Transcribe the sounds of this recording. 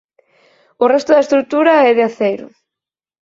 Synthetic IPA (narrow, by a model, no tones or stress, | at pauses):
ʊrɛst̪ʊðɐest̪ɾut̪uɾɐɛðeaθejɾʊ̰